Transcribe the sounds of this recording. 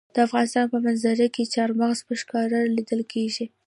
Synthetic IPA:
d̪̥əafɣɑnɪst̪ɑnpəmanzaɾaket͡ʃɑɾmaɣzpəʃkɑɾalid̪əlkʰeʒi

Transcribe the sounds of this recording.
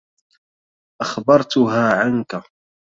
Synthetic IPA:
ʔaxbɑɾˤt̪ʊɦaːʕanka

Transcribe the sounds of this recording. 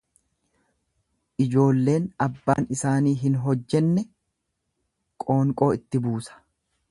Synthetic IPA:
ʔɪd͡ʒo̞ːlːe̞ːnɐbːa̰ːnɪsaːniːɦɪnɦɔd͡ʒːɛnːɛ | kʼo̞ːŋkʼo̞ːɪt̪ːɪbuːsɐ̥

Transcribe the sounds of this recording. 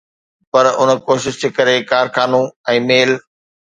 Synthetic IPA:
pɐɾʊnəkoːʃɪʃd͡ʑeːkɐɾekaːɾxaːnũɛ̃ːmeːl

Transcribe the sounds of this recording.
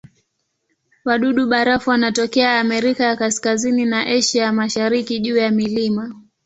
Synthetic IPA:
waɗuɗuɓaɾafuwanatɔkɛaːmɛɾikajakaskazininaʔɛʃijamaʃaɾikiʄuːjamilima

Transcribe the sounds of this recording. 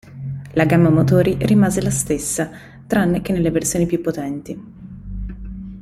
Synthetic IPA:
laɡamːamot̪oːɾirimaːzelast̪esːa | t̪ɾanːek̟enːelːeversjoːnipjupːot̪ɛnt̪i

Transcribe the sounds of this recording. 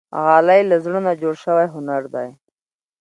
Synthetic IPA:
ɣɑːlajlazɽənad͡ʒoɽʃəwajɦʊnaɾd̪aj

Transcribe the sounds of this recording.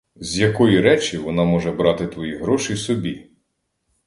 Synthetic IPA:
zʲjɐkɔjiɾɛt͡ʃiʋɔnɑmɔʒɛbɾɑt̪ɪt̪ʋɔjiɦɾɔʃijsɔbʲi

